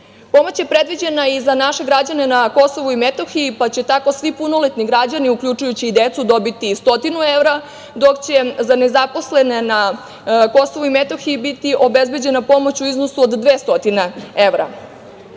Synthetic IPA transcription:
po̞mo̞t͡ɕje̞pɾe̞d̪ʋid͡ʑe̞naizanaʃe̞ɡɾad͡ʑane̞nako̞so̞ʋuimet̪o̞xiːpat͡ɕe̞t̪ako̞sʋipuno̞let̪niɡɾad͡ʑaniukʎʲut͡ʃujut͡ɕiːd̪et̪sud̪o̞bit̪ist̪o̞t̪inueʋɾa | d̪o̞kt͡ɕe̞zane̞zapo̞sle̞nena | ko̞so̞ʋuime̞t̪o̞xiibit̪iʔo̞be̞zbe̞d͡ʑe̞napo̞mo̞t͡ɕuiznosuod̪d̪ʋeːst̪o̞t̪ineeʋɾa̰

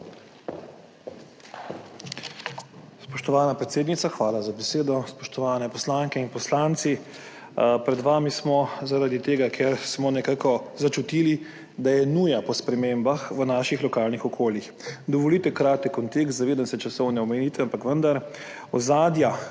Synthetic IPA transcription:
spɔʃt̪ɔʋaːnapɾɛt̪seːd̪nit̪saxʋaːlazabɛseːd̪ɔspɔʃt̪ɔʋaːnɛpɔslaːŋkɛinpɔslaːnt̪si | pɾɛd̪ʋaːmismɔzaɾad̪it̪eːɡakʰeɾsmɔnɛkaːkɔzat͡ʃut̪ili | d̪ajɛnuːjapɔspɾɛmeːmbaxʋənaːʃixlɔkaːlnixɔkʰoːljix | d̪ɔʋɔlit̪ɛkɾaːt̪ɛkkːɔnt̪ekst̪zaʋeːd̪ansɛt͡ʃasɔwnɛɔmɛniːt̪ɛampakʋənd̪aɾ | ɔzaːd̪ja

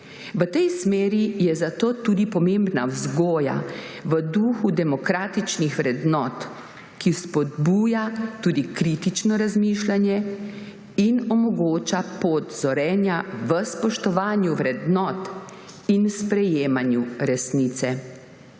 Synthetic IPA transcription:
ʋət̪ɛjsmeːɾijɛzat̪oːt̪uːd̪ipɔmembnawzɡoːja̰ʋəd̪uːxud̪ɛmɔkɾaːt̪it͡ʃnixʋɾɛd̪nɔːt̪ | kispɔd̪buːjat̪uːd̪ikɾit̪it͡ʃnɔɾazmiːʃlanjɛ | inɔmɔɡoːt͡ʃapoːt̪zɔɾɛːnjaʋəspɔʃt̪ɔʋaːnjuʋɾɛd̪nɔːt̪ | inspɾɛjeːmanjuɾɛsniːt̪sɛ

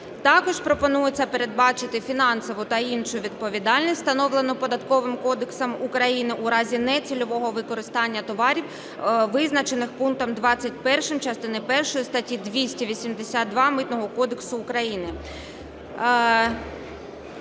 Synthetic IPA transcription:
t̪ɑkɔʃpɾɔpɔnujet͡sʲːɐpeɾed̪̚bɑt͡ʃɪt̪ɪfʲinɑnsɔʋʊt̪ɐinʃʊʋʲid̪̚pɔʋʲid̪ɑlʲnʲisʲst̪ɐnɔʋlˠenɔpɔd̪ɐt̪kɔʋɪmkɔd̪eksɔmukɾɐjinɪʔuɾɑzʲinɛt͡sʲilʲɔʋɔɦɔʋɪkɔɾɪst̪ɑnʲːɐt̪ɔʋɑɾʲiw | ʋɪznɐt͡ʃenɪxpunk̚t̪ɔmd̪ʋɑt͡sʲːɐtʲpɛrʃɪmt͡ʃɐst̪ɪnɪpɛrʃɔjist̪ɐtʲid̪ʋʲisʲtʲiʋʲisʲimd̪esʲat̪̚d̪ʋɑmɪt̪nɔɦɔkɔd̪eksʊːkɾɐjinɪ

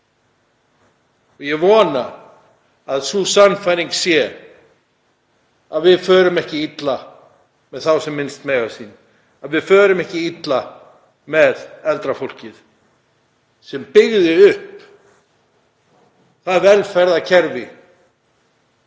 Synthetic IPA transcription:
ɔɣjɛvɔːnaː | ðsusanfajɾiŋksjɛ | aðvɪðfœːɾʏmɛhcɪit̪la | mɛðθawsɛmːɪnst̪meːjɣasin | aðvɪðfœːɾʏmɛhcɪit̪la | mɛðɛlt̪ɾafol̥cɪð | sɛmpɪɣðɪʏhp | θaðvɛlfɛɾðacʰɛɾvɪ

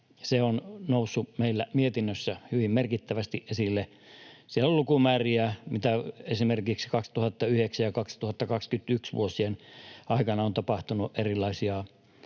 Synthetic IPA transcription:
seonnousːumeilːæmiet̪inːøsːæhyʋimmerkit̪ːæʋæst̪iʔʔesilːe | sielːollukumæːriæmit̪æesimerkiksi̥kɑkst̪uhɑt̪ːɑyheksæjɑkɑkst̪uhɑt̪ːɑkɑkskyt̪yksʋṵosienɑikɑnɑont̪ɑpɑht̪unuʔʔerilːˑɑisiɑ

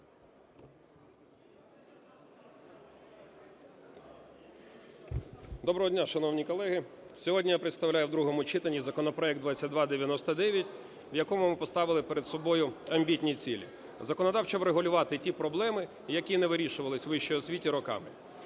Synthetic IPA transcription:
d̪ɔbɾɔɦɔdʲnʲaʃɐnɔwnʲikɔlˠɛɦɪsʲɔɦɔdʲnʲijapɾɪt̪st̪ɐwlʲajʊwd̪ɾuɦɔmʊt͡ʃɪt̪enʲːizɐkɔnɔpɾɔɛk̚d̪ʋat͡sʲːɐt̚ʲd̪ʋɑd̪eʋʲjɐnɔst̪ɐd̪ɛʋʲjɐtʲ | ʋjɐkɔmʊmɪpɔst̪ɑʋɪlˠɪpeɾed̪sɔbɔjʊɐmʲbʲitʲnʲit͡sʲilʲḭ | zɐkɔnɐd̪ɑwt͡ʃɐʋɾeɦʊlʲʊʋɑt̪ɪtʲipɾɔblˠɛmɪ | jɐkʲinɛʋɪɾʲiʃʊʋɐlˠɪsʲʋɪʃt͡ʃɔjɔsʲʋʲitʲiɾɔkɑ̰mɪ

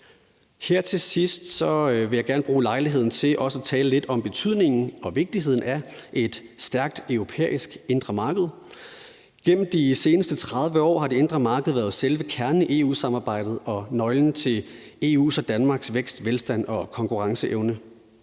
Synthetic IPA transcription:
heɐ̰t͡sʰe̝sisd̥sɒ̽ʋe̝jɑ̈ɪɡ̥æɐnb̥ʁuːlɑ̈ɪliɦe̝ð̞̰ˠn̩t͡sʰe̝lʔɒ̽səæt͡sʰɛːləle̝d̥ɒ̽mb̥e̝t͡sʰyð̞̰ˠne̝ŋn̩ɒ̽ʋe̝ɡ̥̚d̥iɦe̝ð̰ˠn̩æʔe̝d̥sd̥æɐɡ̥̚d̥œʊʁo̝pʰḛːisɡ̥e̝nd̥ʁɐmɑ̈ːɡ̥əð̞̩ˠ | ɡ̥em̰m̩d̥ise̝ːnəsd̥ət͡sʰʁɑ̈ð̞ˠʋəɒ̰ːɦɑ̈ɾe̝e̝nd̥ʁɐmɑ̈ːɡ̥əð̩ˠʋæːɐðˠselʋəkʰæɐnniʔe̝ːṵːsɑ̈mɑ̈ːb̥ɑ̈ɪ̰d̥ð̩ˠɒ̽nɒ̽ɪln̩t͡sʰe̝ | e̝ːṵːsɒ̽d̥ænmɑ̈ːɡ̥sʋeɡ̥sd̥ʋelsd̥æn̰ɒ̽kʰɒ̽ŋkʰuʁɑ̈ŋsəʔeʊnə

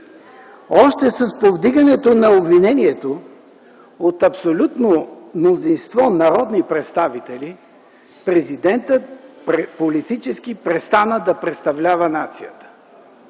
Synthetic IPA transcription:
ɔʃt̪ɛsɐspovd̪iɡənɛt̪onɐobvinɛniɛt̪o | ot̪ɐpsolʲut̪nomnozinst̪vɔnɐɾɔd̪nipɾɛt̪st̪avit̪ɛli | pɾɛzid̪ɛnt̪ət̪polit̪it͡ʃɛskipɾɛst̪anəd̪ɐpɾɛt̪st̪ɐvlʲavənat̪sijət̪ə̥

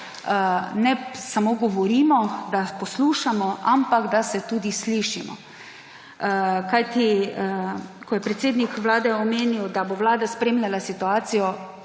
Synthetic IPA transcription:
nɛsamoːɡɔʋɔɾiːmɔd̪apɔsluːʃamɔampaɡd̪asɛt̪uːd̪isliʃimɔ̰ | kajt̪iəkɔjɛpɾɛt̪seːd̪nikʋlaːd̪ɛɔmeːniwd̪aboʋlaːd̪aspɾeːmlʲjalasit̪uaːt̪sijɔ

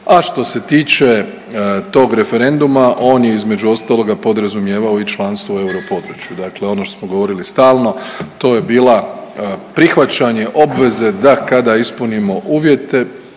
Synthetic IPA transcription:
aʃt̪o̞se̞t̪iːt͡ʃe̞ | t̪o̞ːɡɾe̞fe̞ɾe̞nd̪umaʔo̞ːnje̞izme̞d͡ʒuo̞st̪aːlˠo̞ɡapo̞d̪ɾazumje̞ːʋaoit͡ʃlˠaːnst̪ʋoue̞uɾopo̞d̪ɾut͡ʃjud̪akle̞o̞noʃt̪osmoɡoʋo̞ɾilist̪aːlˠno̞t̪o̞ːje̞biːla | pɾixʋat͡ʃaɲe̞ʔo̞bʋe̞ze̞d̪akad̪aispunimo̞ʔuːʋje̞t̪e̞

